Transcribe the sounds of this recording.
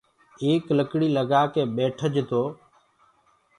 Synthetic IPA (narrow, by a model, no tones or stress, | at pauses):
eːkləkɽiːləɡaːkeːɓeːʈʰəd͡ʒt̪oː